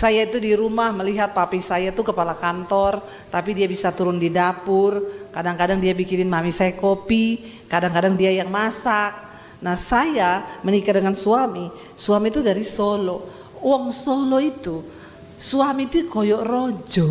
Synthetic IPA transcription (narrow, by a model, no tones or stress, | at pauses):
sajait̪udiɾumahməliɦat̪̚papisajat̪ukəpalakant̪ɔr | t̪apidiabisat̪uɾʊndidapʊrkadaŋkadaŋdiabikinɪnmamisajakopi | kadaŋkadaŋdiajaŋmasak̚ | nahsajamənikadəŋansuami | suamit̪udaɾisɔlɔ | wɔŋsɔlɔit̪u | suamit̪ukojɔʔrod͡ʒɔ